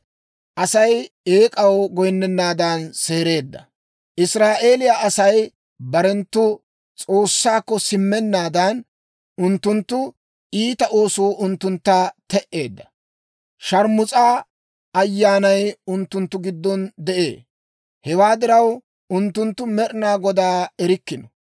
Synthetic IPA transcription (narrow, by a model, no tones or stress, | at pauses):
ʔɐsɐj | e̞ːkʼɐwɡɔjnːɛnːaːd̪ɐnse̞ːɾe̞ːd̪ːɐ̰ | ʔɪsɾaːʔe̞ːlɪjaʔɐsɐj | bɐɾɛnt̪ːʊ | t͡sʼo̞ːsːaːkːɔsɪmːɛnːaːd̪ɐn | ʔʊnt̪ːʊnt̪ːʊ | iːt̪ɐʔo̞ːsuːʔʊnt̪ːʊnt̪ːat̪ɛʔːe̞ːd̪ːɐ̥ | ʃɐɾmʊt͡sʼaː | ɐjːaːnɐjʊnt̪ːʊnt̪ːʊɡɪd̪ːɔnd̪ɛʔe̞̰ː | hɛwaːd̪ɪɾɐw | ʊnt̪ːʊnt̪ːʊmɛɾɪnaːɡɔd̪aːɛɾɪkːɪnɔ